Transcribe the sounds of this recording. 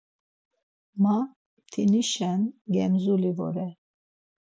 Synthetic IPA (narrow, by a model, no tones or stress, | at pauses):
ma | t̪ʰiniʃɛnɡɛmzulivɔ̰ɾɛ